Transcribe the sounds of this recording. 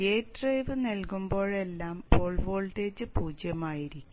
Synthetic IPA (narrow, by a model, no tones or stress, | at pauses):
eːtrejʋɨnelkumbo̞ːɭe̞lːaːmpoːɭʋo̞ːɭʈe̞ːd͡ʑɨpuːd͡ʑjɐmaːjiɾikʲːu